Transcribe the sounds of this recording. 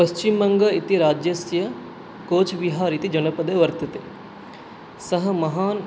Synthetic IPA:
pɐʃt͡ʃimɐŋɡɐit̪iɾaːd͡ʒjɐsjɐ | koːt͡ʃʰʋiɦaːɾit̪id͡ʒɐnɐpɐd̪ɐʋɐɾt̪ɐt̪e | sɐɦɐ̆mɐɦaːn

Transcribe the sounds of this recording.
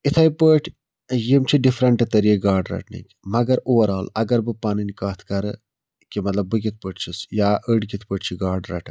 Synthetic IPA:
it̪ʰɐjpəʈʰ | jimt͡ʃʰiɖifɾɐɳʈɐt̪ɐɾiːɡaːɾɖɾɐ̰ʈʰnḭkʲ | mɐɡɐɾoʋɐɾaːlɐɡɐɾbɨpaːninikɐːt̪ʰkɐɾɨ | kimɐt̪lɐbːɨkit̪̚ʰpəʈʰt͡ʃʰisjaːʔəɖkit̪ʰpəʈʰt͡ʃʰiɡaːɾɖɾɐʈʰɨ

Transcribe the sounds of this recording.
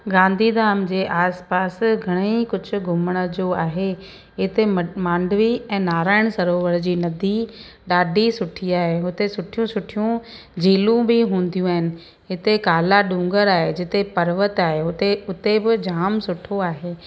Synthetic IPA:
ɡãːnd̪ʱid̪aːmd͡ʑeːʔaːspaːsɡʱɐɽ̃eikʊd͡ʑʱʊ̆ɡʱʊməɽ̃əd͡ʑoaːɦe | ɪt̪emãːɳɖʋiɛ̃ːnaːɾaːɪɽ̃sɐɾoːʋəɽd͡ʑiːnɐd̪ʱiɗaːɖʱisʊʈʰiaːɦeʊt̪esʊʈʰijũsʊʈʰijũ | d͡ʑiːlũbʱiɦũːn̆d̪jũaːɦɪnɪ̆ | ɦɪt̪ekaːlaɖũːŋɡəɾaːɦed͡ʑɪt̪epɐɾʋət̪aːɦeʊt̪eʊt̪ebɪd͡ʑaːmsʊʈʰoaːɦeː

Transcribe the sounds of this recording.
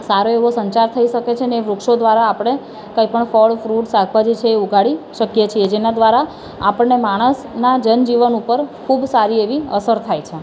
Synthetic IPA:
saɾoeʋosəɲt͡ʃaɾt̪ʰəiʃəket͡ʃʰeneeʋɾukʃod̪ʋaɾaːpɽ̃e | kəipəɳfɔɭfɾuʈsaɡʰʱbad͡ʒit͡ʃʰeːuɡʱaɭiʃəkjet͡ʃʰied͡ʒenad̪ʋaɾa | apəɳnemaɽ̃əs | nad͡ʒənd͡ʒiʋənupəɾkʰubsaɾieʋiəsəɾt̪ʰajt͡ʃʰe

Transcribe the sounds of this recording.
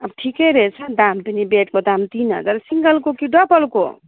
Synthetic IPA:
əbʈʰikeɾet͡ʃʰəd̪amt̪ənibeʈ̚kod̪amt̪inɦə̰d͡zaɾsiŋɡəlkokiɖɔbəlko̰

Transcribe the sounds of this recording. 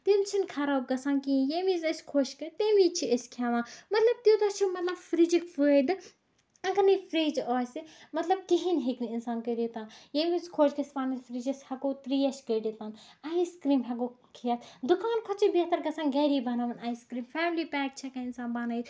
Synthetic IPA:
t̪imt͡ʃʰinkʰɐɾaːb̚ɡɐsaːnkĩjemizɐsʲkʰoːʃkɐt̪emit͡ʃʰiəskʰʲaːʋãːmɐt̪lɐb̚t̪od̪ɐt͡ʃʰimɐt̪lɐbfɾid͡ʒikfɨd̪ɨ | ɐŋkɐnifɾiːd͡ʒɔːsimɐt̪lɐb̚k̪iɦinɦeknɨinsaːnkəjɖet̪ãːnjemiskʰoːʃkɐspaːnɐsfɾiːd͡ʒɐshɐkoːt̪ɾiːɐʃkəɖiːt̪ãːnɐiskɾiːmɦɐɡoːkʰijɐt̪d̪ukaːnkʰɐt͡ʃʰibijt̪ɐɾɡɐsãːnɡɐːɾiːbɐnaːʋɐnɐiskɾiːmfɛːmliːpɛːk̚t͡ʃʰɐkɐɪnsaːnbaːnɐit̪

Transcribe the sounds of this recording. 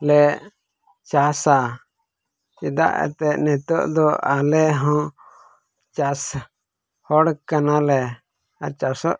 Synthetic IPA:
lɛʔ | t͡ʃasa | t͡ʃid̪a̰ʔɛ̰t̪ɛʔnɛt̪ɔʔd̪ɔalɛɦɔ̃ | t͡ʃas | hɔɽkanalɛ | at͡ʃasɔʔ

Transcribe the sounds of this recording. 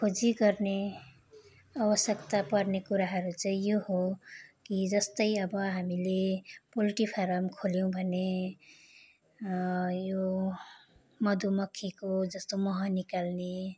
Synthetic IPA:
kʰod͡ziɡʌrne | abʌsjʌkt̪apʌɾnekuɾaɦʌɾut͡sʌĩjoɦokid͡zʌst̪ʌjʌbʌɦamilepolʈipʰaɾʌmkʰoljow̃bʱʌne | jo | mʌd̪umʌkʰːikod͡zʌst̪omʌɦʌ̃nikalne

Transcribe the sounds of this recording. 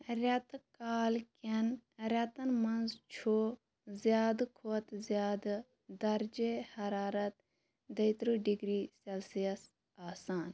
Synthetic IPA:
ɾʲɐt̪kaːlkɐnɾʲɐt̪ɐnmɐnzt͡ʃʰo | zjaːd̪kʰot̪zjaːd̪ | d̪ɐɾd͡ʒehɐɾaːɾɐt̪ | d̪ɐjt̪ɾuɖiɡɾiːsɐlsijɐs | aːsaːn

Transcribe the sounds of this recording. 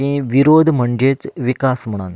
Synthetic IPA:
ĩʋiɾod̪ʱm̤əɳd͡ʑet͡sʋikasm̤əɽ̃an

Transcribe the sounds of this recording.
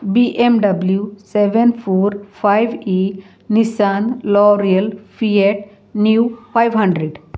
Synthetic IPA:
biʔemɖɐbljuseʋẽnpʰoːɾpʰajʋi | nisaːnlɔːɾiɐlfieʈ | njuːfajʋɦɐ̃ɳɖɾeɖ

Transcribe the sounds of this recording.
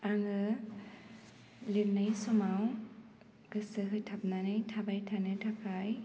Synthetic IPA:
aŋɯ | liɾnajsɔmaw | ɡɯsɯɦɯjtʰap̚nanɯjtʰabajtʰanɯtʰakʰaj

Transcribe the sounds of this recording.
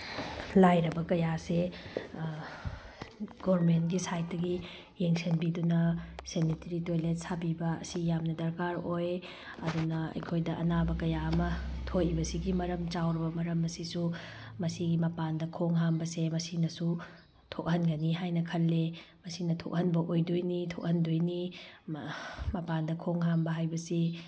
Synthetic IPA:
lajɾɐbɐkɐjase | ɡ̥oɾmentɡisajt̚dɐɡi | jeŋsenbidunɐsenitɐɾitojlet̚sabibɐɐ̰sijamnɐdɐɾkaɾoj | ɐdunɐɐ̰jkʰojdɐʔɐ̰nabɐkɐjaɐmɐtʰojibɐsiɡimɐɾɐmt͡ʃawɾɐbɐmɐɾɐmɐsisu | mɐsiɡimɐpandɐkʰoŋɦambɐsemɐsinɐsu | tʰok̚hɐnɡɐniɦajnɐkʰɐlːe | mɐsinɐtʰok̚hɐnbɐʔojdojnitʰok̚hɐndojni | mɐpandɐkʰoŋɦambɐɦajbɐsi

